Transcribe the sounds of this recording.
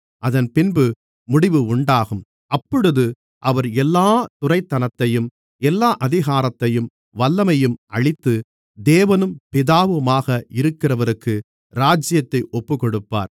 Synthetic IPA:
ʔɐðɐnpɪnbɯ | mʊɽɪʋɯʊɳɖaːɣɯm | ɐpːɔɽɯðɯ | ʔɐʋɐɾɛlːaːt̪ʊrɐɪt̪ːɐnɐt̪ːɐjɯm | ɛlːaːʔɐðɪɣaːɾɐt̪ːɐjɯm | ʋɐlːɐmɐjɯmʔɐɻɪt̪ːɯ | d̪eːʋɐnɯmpɪðaːʋɯmaːɣɐʔɪɾɯkːɪrɐʋɐɾɯkːɯ | ɾaːd͡ʒɪjɐt̪ːɐɪʔɔpːɯkɔɽɯpːa̰ːɾ

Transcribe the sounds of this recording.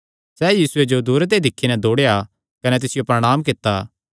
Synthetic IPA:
sɛːjiːsʊed͡ʒod̪uːɾt̪̬ed̪ɪkʰːinɛd̪oːɽeja | kɐnɛt̪̬ɪsɪjopɾɐɽ̃aːmkɪt̪ːa

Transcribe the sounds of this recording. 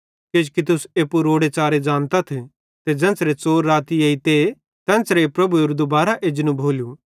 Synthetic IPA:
ked͡ʒkit̪̬ʊseːpuɾoːɽet͡ʃaːɾed͡ʒãːnt̪at̪ʰ | t̪ed͡ʒɐ̃ːnsɾet͡soːɾːaːt̪iɐit̪e | t̪ɛ̃ːnsɾepɾɐbuɪɾd̪obaːɾaʔeːd͡ʒnũbʱoːlju

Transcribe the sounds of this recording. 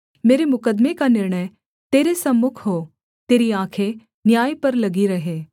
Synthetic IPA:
meːɾemʊkəd̪mekanɪɾɳ̃əj | t̪eːɾesɐmːʊkʰɦo | t̪eːɾiãːkʰe | njaːjpɐɾlɐɡiɾɐɦeː

